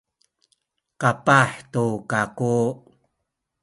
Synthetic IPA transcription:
kapaħtukaku

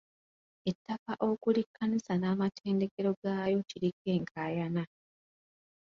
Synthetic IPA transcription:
etːakaʔo̞kulikʰːanisanaːmatʰe̞ːnde̞ke̞ɾo̞ɡaːjo̞ciɾikːe̞ːŋkʰaːjana

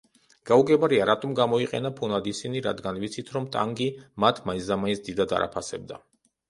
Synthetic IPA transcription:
ɡ̥auɡɛbaɾiaɾat̪ʼɔmɡamɔiqʼɛ̰napʰunad̪isiniɾa̰d̪ɡanvit̪sʰit̪ʰɾɔmt̪ʼa̰ŋɡimat̪ʰmaizamaisd̪id̪ad̪a̰ɾa̰pʰasɛb̚d̪a

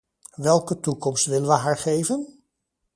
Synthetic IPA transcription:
ʋɛlˠkətukɔmstʋɪlənʋəɦaːɹχejvən

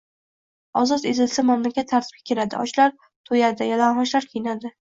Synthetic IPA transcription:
ɒzɒt̪ezɪlsamamlakʲʰat̪ʰːaɾt̪ʰɪ̥b̚ʲḁkʲʰeɾad̪ɪ̰ʔɒ̰t͡ʃlaɾ | t̪ʰojad̪ɪjalanhɒʃlaɾkʲʰejɪnad̪ɪ

